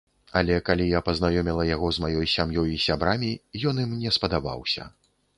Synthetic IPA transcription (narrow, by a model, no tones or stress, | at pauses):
ɐlʲɛkalʲijapɐznajɔmʲilˠɐjaɣɔzmajɔjsʲamjɔjisʲabɾamʲijɔnimnʲɛspɐd̪aba̰wsʲɐ̰